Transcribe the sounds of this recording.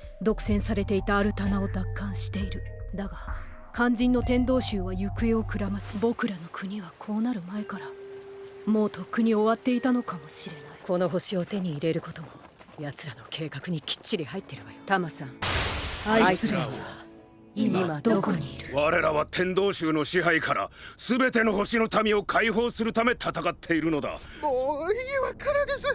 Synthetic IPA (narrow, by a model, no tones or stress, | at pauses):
d̪o̞kɯ̟̥sẽ̞ɰ̃saɾe̞t̪e̞it̪aːɾɯ̟t̪anao̞d̪akːãɰ̃ɕi̥t̪e̞iɾɯ̟d̪aɡa | kʰãɲ̟d͡ʑĩnːo̞t̪ẽ̞nd̪o̞ːɕɨːβajɯ̟kɯ̟eo̞kɯ̟ɾamasɨ̥bo̞kɯ̟ɾano̞kʰɯ̟ɲ̟iβakʰo̞ːnaɾɯ̟mae̞kaɾa | mo̞ːt̪ʰo̞kːɯɲ̟io̞βat̪ːe̞it̪ano̞kamo̞ɕiɾe̞naiko̞no̞ɦo̞ɕio̞t̪e̞ɲ̟iːɾe̞ɾɯ̟ko̞t̪o̞mo̞ | jat͡sɨɾano̞kʰe̞ːkakɯ̟ɲ̟ikʲi̥t͡ɕːiɾʲihait̪ːe̞ɾɯ̟βajot̪amasãŋ | aisɨiβa | mimad̪oːkoɲiːɾɯ̟βaɾe̞ɾaβat̪ʰẽ̞nd̪o̞ːɕɨːno̞ɕiɦaikʰaɾa̰sɨbe̞t̪e̞no̞ɦo̞ɕino̞t̪amʲio̞kʰaiɦo̞ːsɨɾɯ̟t̪ame̞t̪ʰat̪akat̪ʰːe̞iɾɯ̟no̞d̪a̰oiβakaɾad̪e̞sɨ